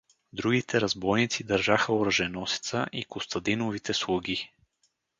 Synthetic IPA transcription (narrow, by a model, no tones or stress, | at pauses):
d̪ɾuɡit̪ɛɾɐzbɔjnit̪sid̪ɐɾʒaxəoɾəʒɛnɔsi̥t̪səʔikost̪ɐd̪inovit̪ɛslˠuɡʲi